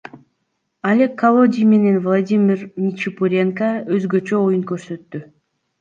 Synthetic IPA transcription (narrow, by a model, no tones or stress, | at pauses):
alʲekːɐlˠo̞dʲijme̞ne̞nvlˠadʲimʲirmʲit͡ʃipuɾʲe̞ŋkaøzɡø̞t͡ʃø̞ojunkøɾsø̞t̪ːy